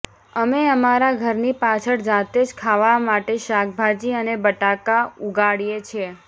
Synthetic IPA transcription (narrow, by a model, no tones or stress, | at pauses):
əmeəmaɾaɡʱəɾnipat͡ʃʰəɽd͡ʒat̪ed͡ʒkʰaʋamaʈeʃak̚bʱad͡ʒiənebəʈakauɡaɽijet͡ʃʰe